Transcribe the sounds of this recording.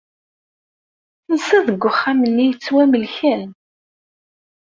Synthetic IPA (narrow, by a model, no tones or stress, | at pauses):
nsæðəɡʷːʊχːæmənːijət͡sːwæməlçæn